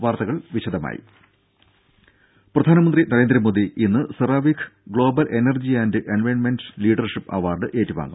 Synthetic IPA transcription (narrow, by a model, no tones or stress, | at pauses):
ʋaːrt̪ɐɣɐɭʋiɕɐd̪ɐma̰ːjḭ | prɐd̪ʱaːnɐmɐnd̪rinɐɾe̞ːnd̪ɾɐmo̞ːd̪iʔinːɨsɐraːʋikʰɨ̥ɡɭo̞ːbɐlʔenɐrd͡ʑiɐndɨʔenʋeːnmenɖsliːɖɐrʂipːɐ̰ʋaːrɖɨʔeːtːiʋa̰ːŋɡum